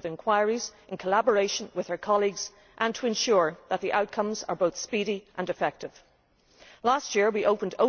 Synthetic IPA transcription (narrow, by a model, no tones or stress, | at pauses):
vɨ̃nkʰw̥aɪɹizʔɪ̃nkʰəlabə˞eɪʃə̃nwɪð̥ə˞kʰɑlˠiɡz̥ | ʔə̃ntʰəɨ̃nʃʊɹðət̪̚ðiʔaʊt̚kʰʌ̃mzə̰˞boʊθspiɾiʔə̃nɨfɛk̚tɪv̥ | lastjɪɹwiʔoʊpə̃ndo̰